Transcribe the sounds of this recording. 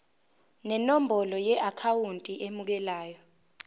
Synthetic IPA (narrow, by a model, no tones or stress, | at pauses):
nɛnombʱɔlɔjɛʔakʰawuntʼiʔemuk̬ɛlaːjɔ